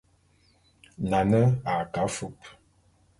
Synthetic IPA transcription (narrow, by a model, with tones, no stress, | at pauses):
na˨nə˦a˨ka˨˦fu˦p